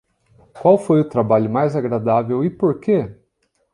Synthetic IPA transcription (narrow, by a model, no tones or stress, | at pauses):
kwawfojʊt̪ɾabaʎʊmajzaɡɾad̪avewɪpoɾke